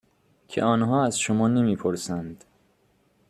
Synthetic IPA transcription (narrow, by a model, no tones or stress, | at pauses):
cʰḛɒːnɦɒːæzʃomɒːne̞miːpʰoɾsænd̪̥